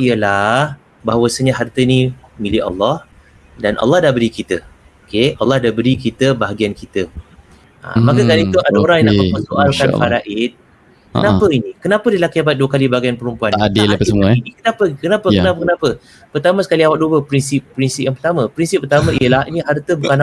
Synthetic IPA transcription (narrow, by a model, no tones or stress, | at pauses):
ijəlah | baɦawasəɲaɦart̪ənĩmilɪɑ̰lːɑh | danʔɑ̰lːɑhdahbəɾikit̪ə | okeɑlːɑhdahbəɾikit̪əbaɦaɡiankit̪ə | a̰makakanit̪uadaoɾaŋjãnamamənsoʔalkanfaɾaʔit̪̚ | knapəinikənãpədilakiabat̪̚duəkalibaɡianpəɾumpuandiləmuainikənapəkənapəkənapəkənapə | pərt̪amə̃sə̥kaliawak̚duəpɾinsip̚ːɾinsip̚jãŋpərt̪amə̃pɾinsipːərt̪amãʔijəlahiniɦart̪əbukan